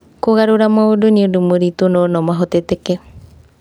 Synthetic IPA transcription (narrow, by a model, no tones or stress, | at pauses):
koɣaɾuɾamoduɲidumuɾit̪unonomaɦot̪et̪eke